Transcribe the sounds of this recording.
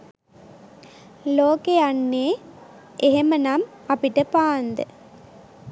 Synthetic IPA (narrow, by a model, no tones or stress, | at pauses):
loːkeanːeː | ʔeɦemənam | ɐpiʈːəpaːnd̪ɨ